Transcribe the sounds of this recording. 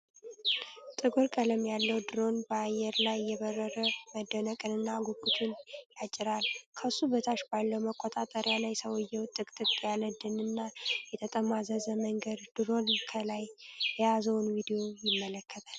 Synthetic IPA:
t̪ʼɨɡuɾkʼələmjalːəwd̪ɨɾo̞nbəajɛɾlajːɛβərːəɾəməd̪ːənəkʼɨnɨnːaɡukʼːut͡ʃʰʼɪnjat͡ʃʼːɪɾalkʰəsːubət̪ʰaʃbalːəwməkʼːot̪ʼat̪ʼəɾjalajsəwɔjːɛwt̪ʼːɨkʼt̪ʼɨkʼjaləd̪ɨnɨnːajɛt̪ʰət̪ʼəmazəzəməŋɡəd̪d̪̥ɨɾo̞nkʰəlajːɛjazəwnvid̪ijo̞jɪmːələkʰːət̪ʼal

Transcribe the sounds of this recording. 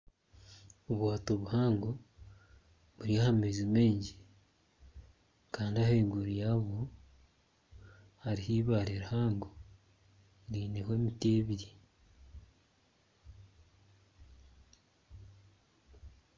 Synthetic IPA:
oβwaːtoβuhaːŋɡo | βuɾiahamezimeːɲɟe | kaːndiaheɡuɾijaːβo | haɾihiːβaːɾeɾahaːŋɡo | ɾiːnehweːmiteːβiɾi

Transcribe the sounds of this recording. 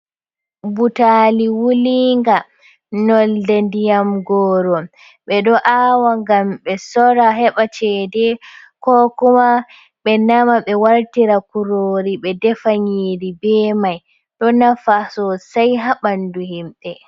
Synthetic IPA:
butaliwuliŋɡa | nɔldɛndijamɡɔːɾɔ | ɓɛɗɔʔaːwaŋɡamɓɛsɔɾaɦɛɓat͡ʃɛdɛ | kɔkuma | ɓɛnamaɓɛwaɾtiɾakuɾoɾiɓɛdɛfaɲiːɾibɛmaj | ɗɔnafasɔsajɦaɓanduhimɓɛ

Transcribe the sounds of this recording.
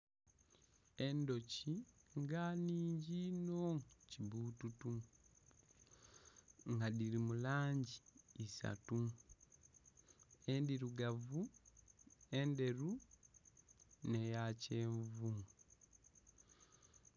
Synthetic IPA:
endo̞ciŋɡaniːɲɟinoŋcibututu | ŋɡadiɾimulaːɲɟiːsa̰tu | endiɾuɡavu | e̞nde̞ɾu | nejace̞ːɱvu

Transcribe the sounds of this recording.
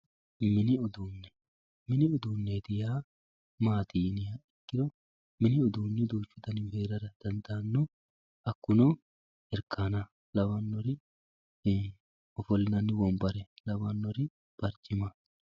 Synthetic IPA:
mɪnɪɔd̪uːnːɛ | mɪnɪɔd̪uːnːed̪ɪjaː | maːt̪iːnɪjɐɪkːɪd̪ɔ | mɪnɪɔd̪uːnːɪd̪uːt͡ʃːʊd̪ɐnɪheːɾɐɾɐd̪̥ɐnd̪aːnːɔ | ɐkːʊnɔ | ɛɾkʰːaːnɐ | lɐwɐnːɔɾɪ | ɔfɔlːɪnɐnːɪwɔmbɐɾɛlɐbɐnːɔɾɪ | b̥ɐɾd͡ʒɪmɐ

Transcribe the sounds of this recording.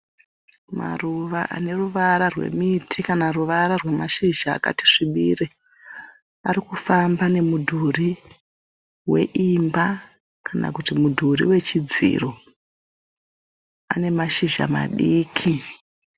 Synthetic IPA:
ma̰ruʋaʔa̰ne̞ruʋaɾarwe̞̰mitʰikanaruʋaɾarwe̞maʃiʒa̰ːka̰ti̥ʂiɓiːre | aɾikufambane̞mudʱuri | we̞̰ʔimba | kana̰kutimudʱurḭwe̞t͡ʃid͡zḭro | a̰ne̞maʃiʒa̰ma̰ɗiːkʰi

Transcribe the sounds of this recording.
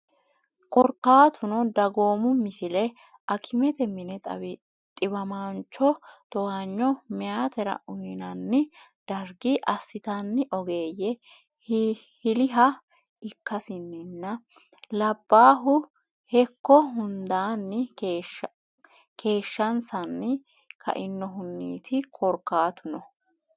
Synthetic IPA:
kɔɾkːaːt̪ʰʊnɔd̪ɐɡo̞ːmʊmɪsɪlɛ | ʔɐkʰɪmɛt̪ɛmɪnɛt̪ʼɐ̰ | t̪ʼɪbɐmant͡ʃɔt̪ɔwaɲːɔmɛjaːt̪ɛɾɐ̰ʔʊjɪnɐnːɪd̪̥ɐɾɡɪʔɐsːɪt̪ɐnːɪʔɔɡe̞ːjɛ | h | hɪlɪɦɐ | ɪkːɐsɪnːɪnːɐ | lɐbːaːɦʊ | hɛkːɔɦʊnd̪aːnːɪ | kʰe̞ːʃːɐnsɐnːɪ | kʰɐ̰ʔɪnːɔɦʊnːḭːt̪ʰɪkʰɔɾkːaːt̪ʊnɔ

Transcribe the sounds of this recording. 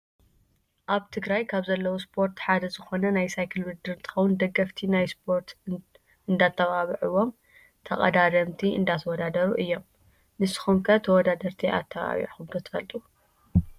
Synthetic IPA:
ʔaβt̪ʰɨɡɾajkʰaβzɐlːɐwospʰo̞ɾt̪ħad̪ɐzɨxo̞nɐnajsajkʰɨlwɨd̪ɨɾnt̪ʼʰɨ̥xɐwʊnd̪ɐɡɐft̪ʰinajspʰo̞ɾt̪ | ʔɨnd̪at̪ʰːɐβaβiʕuwo̞m | t̪ʰɐkʼɐ̰d̪ad̪ɐmt̪ʰiɨ̰nd̪at̪ʰɐwɔd̪ad̪ɐɾuʔɨjːo̞m | nɨsɨ̥xomkʰɐt̪ʰɐwɔd̪ad̪ɐɾt̪ʰiʔa̰t̪ʰːɐβa̰βḭʕxɨbɾot̪ʰɨ̥fɐlt̪ʼu

